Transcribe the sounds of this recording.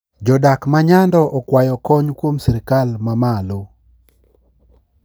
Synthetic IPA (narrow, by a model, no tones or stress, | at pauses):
d͡ʒɔdakmaɲandɔʔɔkwajɔkɔɲkwomsiɾɪkalmamalo